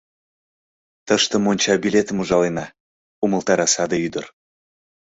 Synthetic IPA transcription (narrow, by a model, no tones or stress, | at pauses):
t̪əʃt̪ə̆monʲt͡ɕɑbilʲet̪əmuʒɑlenɑ | uməlˠt̪ɑɾɑsɑd̪eyd̪ər